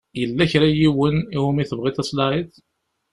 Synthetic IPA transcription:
jəlːæçɾæjiwənihumiθəbʁit̪æsˤlɑʕiθ

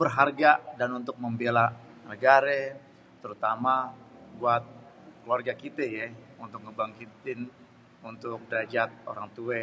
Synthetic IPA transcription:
b̥ərɦarɡadanunt̪ʊk̚məmbela | nəɡaɾɛ | t̪əɾut̪amabuat̪̚ | kluarɡakit̪ɛjɛ | unt̪ʊk̚kəbaŋkit̪ɪn | unt̪ʊk̚dɾad͡ʒat̪̚o̰ɾaŋt̪uɛ

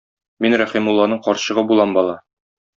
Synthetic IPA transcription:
minɾæχimulˠːɑnɤɴqɒɾɕɤ̆ʁɤbulˠɑmbɒlˠɑ

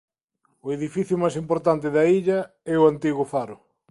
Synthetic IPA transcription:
ʊeðifiθjʊmajsimpoɾt̪ant̪ɪðɐiʎɐ | ɛʊant̪iɣʊfaɾʊ

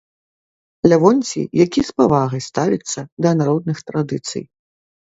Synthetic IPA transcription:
lʲavɔnʲt͡sʲḭjakʲispavaɣɐjst̪avʲḭt̪sːɐd̪ɐnaɾɔd̪̚nɨxt̪ɾad̪ɨt̪sɨ̰j

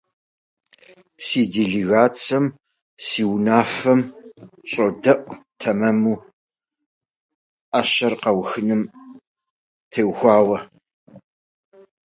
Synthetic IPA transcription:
siːdiɮiɣaːt͡sʰɐm | siːwnaːfɐmɕʼodɐʔʷtʰɐmɐmuː | ʔaːɕɐrqɐwxɨnɨm | tʰeːwxʷɑːwɐ

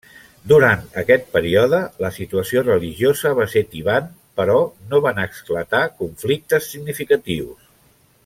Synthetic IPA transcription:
d̪uɾant̪əkɛt̪̚pəɾiɔðələsit̪uəsiorəliʒiozəβaset̪iβan | pəɾɔnoβanəksklət̪akuɱflik̚t̪əsːiɡnifikət̪iws

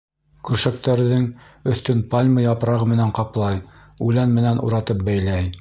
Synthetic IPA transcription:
kʉɾʃæk̚t̪æɾðɘŋɵ̆θt̪ɵnpalʲmɤjɑpɾɑʁɤmɘ̆næɴqɑplˠɑj | ʉlænmɘ̆nænʔṵɾɑt̪ɤp̚bæjlæj

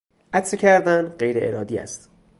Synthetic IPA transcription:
ʔæt̪secʲʰæɾd̪ænɢejɾeʔeɾɒːd̪iːæ̰st̪

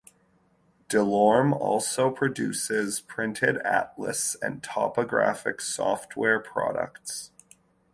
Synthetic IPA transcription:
d̥ɨlɔɹmɔ̰lˠsoʊpʰɹ̥ɨdʉsɪz̥pʰɹ̥ɪ̃ntʰɪɾæ̰tlə̰sɨ̰̃ntʰɑpəɡɹæfɨ̰ksɔft̚wɛɹpʰɹ̥ɑ̰ɾə̰kts

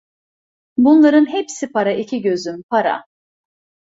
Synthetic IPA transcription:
bunlˠaɾɯnɦepsipʰaɾaʔicʰiɟø̞zympʰaɾa̰

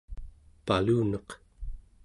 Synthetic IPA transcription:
paluːnʌq

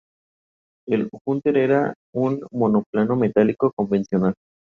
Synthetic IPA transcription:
eluxunt̪eɾeɾa | unmo̞no̞plano̞me̞t̪aliko̞kombe̞nsjo̞nal

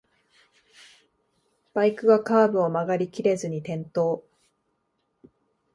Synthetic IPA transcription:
b̥aikɯ̟ɡakaːbɯ̟o̞maɡaɾʲikʲiɾe̞zɨɲ̟it̪ẽ̞nt̪o̞ː

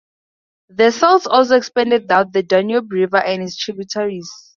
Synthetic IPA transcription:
ðəsɔltsɔls̬oɛkspɛ̃ndɛd̚ːawt̚ðədɔnjobɹivaʔɛ̃nhitstʰɹibjutʰaɹiz

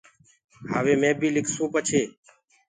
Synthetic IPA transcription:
ɦaːʋeːmẽːbʱiːlɪkʰsũːpət͡ʃʰeː

